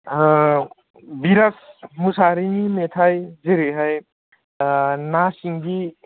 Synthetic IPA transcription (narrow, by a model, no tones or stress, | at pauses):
biɾasmusaɾiŋimetʰajzeɾeɦaj | nasiŋɡi